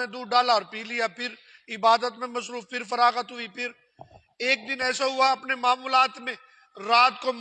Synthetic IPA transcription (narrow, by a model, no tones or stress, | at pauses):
ẽd̪uːɖaːlaɔːɾpiːlijapʰɪɾ | ɪbaːd̪ət̪mẽmɐsɾuːfpɪɾfɐɾaːɣət̪ɦʊipʰɪɾ | eːk̚d̪ɪnɛːsaɦʊaɐpnemaːmuːlaːt̪mẽ | ɾaːt̪̚kom